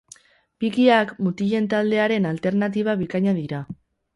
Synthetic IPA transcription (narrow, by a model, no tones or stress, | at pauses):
bikiakmut̪iʎe̞nt̪ald̪e̞aɾe̞nalt̪e̞ɾnat̪̬iβ̞aβikaɲaðiɾa